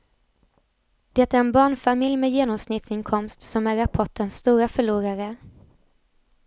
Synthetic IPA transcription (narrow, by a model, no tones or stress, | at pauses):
d̪̥ɛt̪ːæɾɛnbɑːɳfamɪljmɛjeːnɔmsnɪt̪sɪnkʰɔmst̪sɔmæɾapʰɔʈːənst̪uːɾafœɭuːɾaɾə